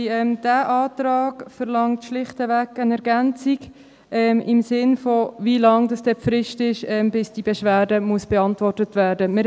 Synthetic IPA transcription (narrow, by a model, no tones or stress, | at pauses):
ɛmd̥æːʔɑːtɾɑːkfəɾlɑŋtʃlɪχtəvækənɛɾɡænt͡siɡ | ɛmɪmsɪnfɔvilɑŋdɑsd̥ɛpfɾɪʃtɪʃɛmbɪsd̥ibɛʃʋæːɾdəmuəsb̥ɛɑntʋɔrtətʋæːɾdəmɪ